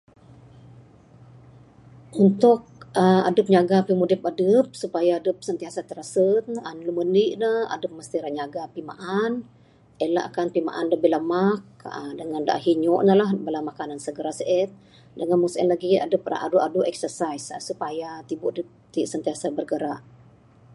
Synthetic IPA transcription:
unt̪ʊk̚əma̰dəp̚ɲaɡapimudipadəp̚supajaːdəp̚sənt̪iasat̪əɾasət̪̚nanluməniʔnəha̰dəp̚məst̪iɾaɲaɡapima̰ʔan | əlaʔa̰kanpima̰ʔanləbiləmak̚ə̰dəŋanda̰ʔɦiɲɔʔnəlahbəlamakanansəɡəɾasəʔɛt̪̚ | dəŋanmusɛ̰nlaɡia̰dəp̚a̰a̰duʔaduʔɛksərsaissupajat̪ibuʔdəp̚t̪iʔsənt̪iasabərɡəɾa̰ʔ

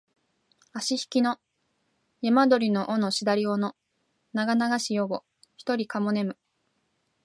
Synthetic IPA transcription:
aɕiçi̥kʲino̞ | jamad̪o̞ɾʲino̞ʔono̞ɕid̪aɾʲio̞no | naɡanaɡaɕijoɡo̞ | çi̥t̪o̞ɾʲikamo̞ne̞mɯ̟

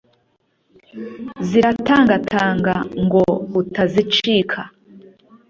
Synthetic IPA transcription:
ziɾataːŋɡatʰaːŋɡaŋɡo̞utazit͡ʃiːkʰa

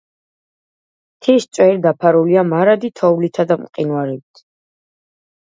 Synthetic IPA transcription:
t̪ʰist̪sʼwɛɾid̪apʰaɾuliamaɾad̪it̪ʰɔuwlit̪ʰad̪amqʼinwaɾibt̪ʰ

